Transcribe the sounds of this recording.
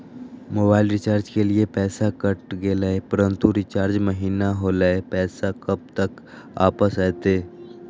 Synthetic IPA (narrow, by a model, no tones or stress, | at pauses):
moːbaːɪlɾɪt͡ʃaːɾd͡ʒkeliepɛːsakɐʈɡeːlaepɐɾə̃nt̪uɾɪt͡ʃaːɾd͡ʒməɦiːnaɦoːlaepɛːsakɐb̚t̪ək | a̰ːpəsɛːt̪eː